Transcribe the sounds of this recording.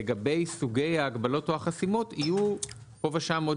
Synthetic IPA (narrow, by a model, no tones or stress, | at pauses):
eɡabe̞jsuɡe̞jaːɡbalo̞toaχasimo̞tiju | ko̞vaʃamo